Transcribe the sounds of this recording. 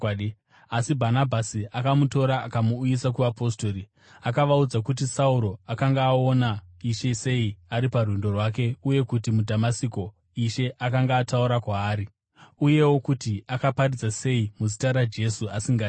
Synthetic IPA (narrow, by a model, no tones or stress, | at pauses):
asibʱanabʱasiakamuto̞ɾaːkamuːjisakuʋapo̞stoɾi | akaʋaud͡zakut̬isauɾo̞akaŋɡaːonaiʃese̞iaɾiparwindo̞rwak̬e̞uje̞kutimudʱamasiko̞ | iʃe̞ʔakaŋɡaːtauɾakwaːɾi | uje̞wo̞kutiakaparid͡zase̞imuzitaɾad͡ʒe̞suasiŋɡa